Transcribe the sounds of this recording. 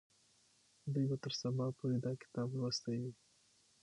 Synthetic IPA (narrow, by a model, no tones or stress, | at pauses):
d̪ujbat̪əɾsabɑpoɾed̪ɑkɪ̥t̪ɑblwast̪awi